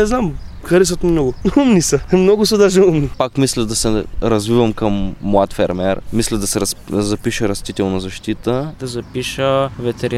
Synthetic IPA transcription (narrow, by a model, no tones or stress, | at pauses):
nɛznam | xɐɾɛs̬ət̪mimnɔɡʊumnisəmnɔɡʊsɐd̪aʒɛumnipakmislʲɛd̪ɐsɛɾɐzvivɐmkɐmːwat̪fɛɾmɛɾmislʲɛd̪ɐsɛɾɐszɐpiʃəɾɐst̪it̪ɛlˠnɐzɐʃt̪it̪əd̪̥ɐzɐpiʃəvɛt̪ɛɾi